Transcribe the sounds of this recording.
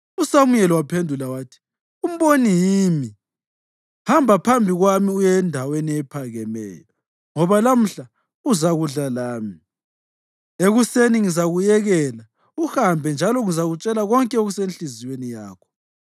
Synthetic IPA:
usamujɛlɔwapʰendʱulawaːtʰi̥ | um̩βonijimi | hambʱapʰambʱiɣwamiujɛndʱaweniɛpʰaɣɛmɛ̰ːjɔ | ŋɔβalam̩ɬa | uzaɣuɮalaːmi | eɣuseniŋizaɣujɛɣɛla | uhambʱɛnd͡ʒʱalɔŋizaɣut͡ʃʼɛlaɣɔŋkʼɛoɣusenɬizijwenijaːkʰɔ̥

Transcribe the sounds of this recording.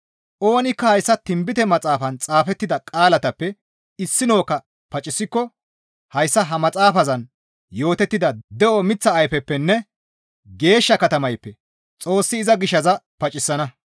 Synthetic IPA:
ʔo̞ːnɪkːɐhɐjsːɐt̪ɪmbɪt̪ɛmɐt͡sʼaːfɐnt͡sʼaːfɛt̪ːɪd̪ɐkʼaːlɐt̪ɐpːɛ | ɪsːɪno̞ːkːɐ | pɐt͡ʃʼːɪsːɪkːɔ | hɐjsːɐɦɐmɐt͡sʼaːfɐzɐn | jo̞ːt̪ɛt̪ːɪd̪ɐd̪ɛʔɔmɪt͡sːɐːjfɛpːɛnːɛ | ɡe̞ːʃːɐkɐt̪ɐmɐjpːɛ | t͡sʼo̞ːsːɪːzɐɡɪʃːɐzɐpɐt͡ʃʼːɪsːɐnɐ

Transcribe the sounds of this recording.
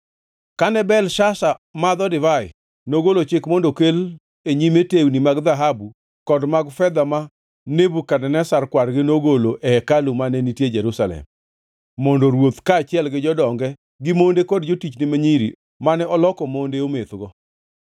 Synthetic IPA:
kanɛbɛlʃasamad̪ɔdɪvaɪ̰ | noɡolot͡ʃɪkmɔndokel | eɲimetewnimaɡd̪aɦabu | kɔdmaɡfɛd̪ama | nebukanɛnɛsarkwaɾɡɪnoɡoloʔɛɛkalumanɛnitjed͡ʒɛɾusalɛ̰mː | ɔndoɾwot̪kaːt͡ʃɪɛlɡɪd͡ʒɔdɔŋɡɛ | ɡɪmondekɔdd͡ʒotit͡ʃnɪmaɲiɾḭ | manɛɔlɔkɔmondeomet̪ɡɔ

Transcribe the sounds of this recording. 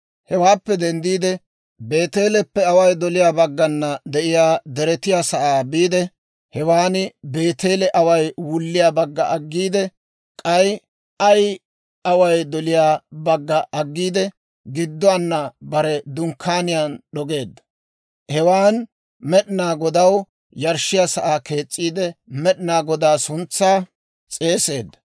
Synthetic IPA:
hɛwaːpːɛd̪ɛnd̪iːd̪ɛ | be̞ːt̪e̞ːlɛpːɛɐwɐjd̪ɔlɪjaːbɐɡːɐnːɐd̪ɛʔɪjaːd̪ɛɾɛt̪ɪjaːsɐʔaːbiːd̪ɛ | hɛwaːnɪbe̞ːt̪e̞ːlɛʔɐwɐjwʊlːɪjaːbɐɡːɐ̰ʔɐɡːiːd̪ɛ | kʼɐj | ɐj | ɐwɐjd̪ɔlɪjaːbɐɡːɐʔɐɡːiːd̪ɛ | ɡɪd̪ːʊanːɐbɐɾɛd̪ʊŋkʰːaːnɪjanɗɔɡe̞ːd̪ːɐ̥ | hɛwaːn | mɛɗɪnaːɡɔd̪ɐw | jɐɾʃɪjasɐʔaːke̞ːt͡sʼːiːd̪ɛmɛɗɪnaːɡɔd̪aːsʊnt͡sːaː | t͡sʼe̞ːse̞ːd̪ːɐ̥

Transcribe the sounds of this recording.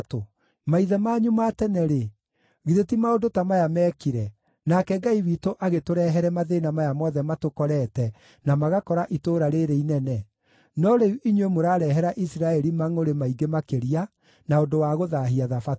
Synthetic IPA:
to | maiðɛmaɲumatɛnɛɾe | ɣiðetimaondotamajamɛːkiɾɛ | nakɛɡaiβiːtoʔaɣetoɾɛɦɛɾɛmaðenamajamɔðɛmatokɔɾɛtɛ | namaɣakɔɾaʔitoɾaɾeɾeinɛnɛ | nɔɾeuʔiɲwemoɾaːɾɛɦɛɾaʔisiɾaɛɾimaŋoɾemaiɡemakeɾia | naondowaɣoðaɦiaðafa

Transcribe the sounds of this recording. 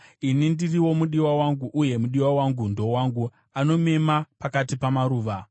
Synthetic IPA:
inindiriwo̞muɗiwawaŋɡuʔːje̞muɗiwawaŋɡundo̞waŋɡu | ano̞me̞mapakatipamaɾuːʋa

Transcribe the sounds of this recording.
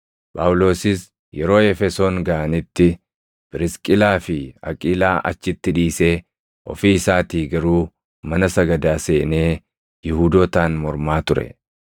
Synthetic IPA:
pʼa̰ːwʊlo̞ːsɪs | jɛɾo̞ːɛfɛso̞ːŋɡɐʔɐnɪt̪ːɪ | b̥ɪɾɪskʼɪlaːfɪɐ̰kʼiːlaːʔɐ̰t͡ʃːɪt̪ːɪᶑiːseː | ʔɔ̰fiːɪsaːt̪iːɡɐɾuː | mɐnɐsɐɡɐd̪aːseːne̞ː | jɪhud̪oːt̪aːnmɔɾmaːt̪ʊɾɛ̰

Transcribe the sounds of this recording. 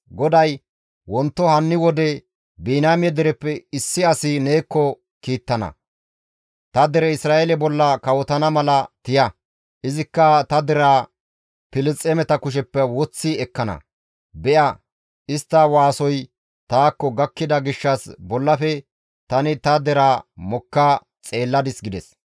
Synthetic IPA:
ɡɔd̪ɐj | wɔnt̪ːɔhɐnːɪwɔd̪ɛ | biːnaːmjɛd̪ɛɾɛpːɛɪsːɪɐsɪne̞ːkːɔ | kiːt̪ːɐnɐ̰ | t̪ɐd̪ɛɾɛɪsɾaːelɛbɔlːɐkɐwɔt̪ɐnɐmɐlɐt̪ɪjɐ | ʔɪzɪkːɐt̪ɐd̪ɛɾa | pɪlɪt͡sʼːɛmɛt̪ɐkʊʃ̬ɛpːɛwɔt͡sːiɛkːɐnɐ̰ | bɛʔɐ | ɪst̪ːɐwaːsɔj | t̪aːkːɔɡɐkːɪd̪ɐɡɪʃːɐsbɔlːɐfɛ | t̪ɐnɪt̪ɐd̪ɛɾamɔkːa | t͡sʼe̞ːlːɐd̪ɪsɡɪd̪ɛs

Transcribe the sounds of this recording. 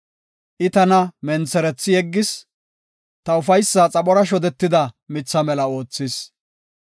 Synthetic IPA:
ʔɪt̪ɐnɐmɛnt͡sɛɾɛt͡sːɪjɛɡːɪs | t̪ɐʊfɐjsːat͡sʼɐɓɔɾɐʃ̬ɔd̪ɛt̪ːɪd̪ɐmɪt͡sːɐmɛlɐo̞ːt͡sːɪs

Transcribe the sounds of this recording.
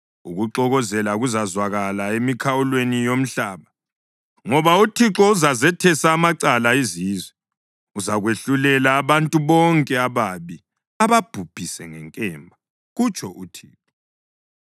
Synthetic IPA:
uɣuǁɔɣɔzɛlauɣuzazwaɣalaemikʰawulwenijom̩ɬaːβa | ŋɔβautʰiǁɔuzazɛtʰɛsaːmaǀalaiziːzwɛ | uzaɣweɬulɛlaːβantʼuβɔŋkʼɛaβaβi | aβab̥ʱub̥ʱisɛŋɛŋkʼɛːmbʱa | ɣut͡ʃʰʼɔʔutʰiːǁɔ

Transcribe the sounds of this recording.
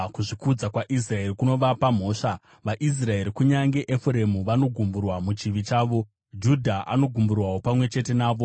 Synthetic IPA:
kuʐikud͡zakwaʔis̬rae̞rikuno̞ʋapam̤o̞ːʂa | ʋaʔis̬rae̞ɾikuɲaŋɡe̞ʔefuɾe̞muʋano̞ɡʱumburwamut͡ʃiʋit͡ʃaːʋo̞ | d͡ʒudʱaʔa̰no̞ɡʱumburwawo̞pamwe̞t͡ʃe̞te̞naːʋo̞

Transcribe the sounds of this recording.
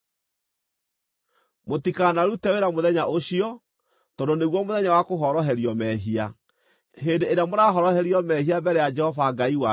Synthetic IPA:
motikanaɾutɛweɾamoðɛɲaʔoɕiɔ | tɔdoneɣwɔmoðɛɲawakoɦɔɾɔɦɛɾiɔmɛɦia | ɦeːndeeɾeamoɾaɦɔɾɔhɛɾjɔmɛhiabɛɾɛjad͡ʒɛhɔvaɡaiwa

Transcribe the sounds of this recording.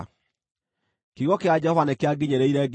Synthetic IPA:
kiɣɔkead͡ʒɛhɔvanekeaɡiɲeɾeiɾɛɡ

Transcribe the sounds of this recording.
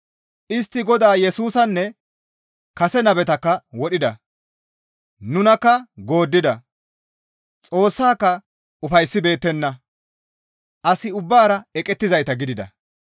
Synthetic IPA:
ʔɪs̬t̪ːɪɡɔd̪aːjɛsuːsɐnːɛ | kɐsɛnɐbɛt̪ɐkːɐwɔɗɪd̪ɐ̰ | nʊnɐkːɐɡo̞ːd̪ːɪd̪ɐ | t͡sʼo̞ːsːaːkːɐ | ʊfɐjsːɪbe̞ːt̪ːɛnːɐ | ʔɐsɪʊbːaːɾɐɛkʼɛt̪ːɪzɐjt̪ɐɡɪd̪ɪd̪ɐ̰

